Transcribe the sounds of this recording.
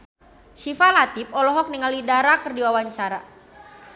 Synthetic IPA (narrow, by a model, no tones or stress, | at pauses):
sifalat̪ip̚ɔlɔɦɔk̚niŋalidaɾakərdiwawaɲt͡ʃaɾa